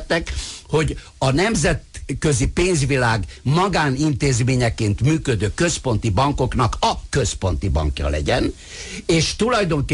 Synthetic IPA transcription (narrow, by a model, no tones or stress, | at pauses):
t̪ːɛkho̞ɟ | ɒnɛmzɛt̪køzipeːnzʋilaːɡmɒɡaːnint̪eːzmeːɲɛkeːnt̪myːkød̪øːkø̞spo̞nt̪ibɒŋko̞knɒkɒkø̞spo̞n̪t̪ibɒ̰ŋkjɒ̰lɛ̰ɟɛn | eːʃt̪ulɒjd̪o̞ŋke